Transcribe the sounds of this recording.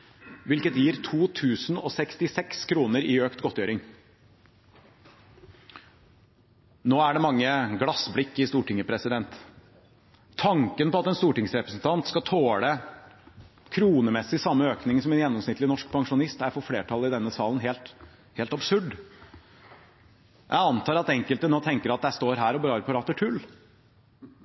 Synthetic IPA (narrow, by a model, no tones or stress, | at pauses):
ʋɪlkət̪jiːɾt̪ʰuːt̪ʰʉːsnɔ̰sɛkst̪ɪsɛkskʰɾuːnəɾɪøːkt̪ɡɔt̪ːjøːɾɪŋ | noːæɖɛmɑŋːəɡlɑsblɪkːɪst̪uːʈɪŋːəpʰɾɛsɪd̪ɛnt̪ | ɑŋkənpɔɑt̪ɛnst̪uːʈɪŋsɾɛpɾəsnt̪ʰɑnt̪skɑt̪ʰoːlə | kʰɾuːnəmɛsːɪsɑmːəøːknɪŋsɔmɛnjɛnːɔmsnɪt̪lɪnɔʂk̚pʰɑŋʂʊnɪst̪æɾfɔɾfleːʈʰɑlɪd̪ɛnːəsɑːlən̩ɦeːlt̪ | heːlt̪ɑbsʉɖ | jʔæ̰ɪɑnt̪ʰɑːɾɑt̪ɛŋkəlt̪ənoːt̪ʰɛŋkəɾɑt̪̚d̪ææst̪oːɾɦæːɾɔbɾɑːɾpʰɑɾɑːt̪ːəʈʰʉlː